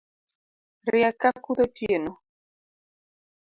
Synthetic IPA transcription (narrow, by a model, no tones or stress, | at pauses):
riakakuðotjeno